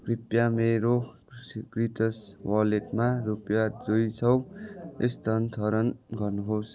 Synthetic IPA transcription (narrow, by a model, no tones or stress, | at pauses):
kripjameɾo | sikriʈʌswʌleʈmarupjad͡zojt͡sʰʌwḛst̪ʌnt̪ʰʌɾʌnɡʌrnuɦos